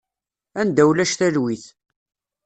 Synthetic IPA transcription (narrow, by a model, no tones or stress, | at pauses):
ænd̪æwlæʃθælwiθ